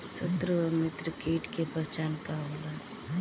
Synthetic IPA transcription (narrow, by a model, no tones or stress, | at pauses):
sət̪ɾəmɪt̪ɾəkiːʈkepəɾt͡ʃaːnkaɦoːla